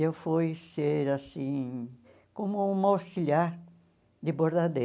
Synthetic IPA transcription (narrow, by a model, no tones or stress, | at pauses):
ewfojseɾasĩ | kõmʊũmawsiʎjaɾ | d̪ɪboɾd̪ad̪e